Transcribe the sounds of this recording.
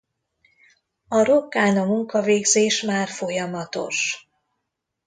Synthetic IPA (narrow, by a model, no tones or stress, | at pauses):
ɒɾokːaːnɒmuŋkɒveːɡzeːʃmaːrfo̞jɒmɒt̪o̞̰ʃ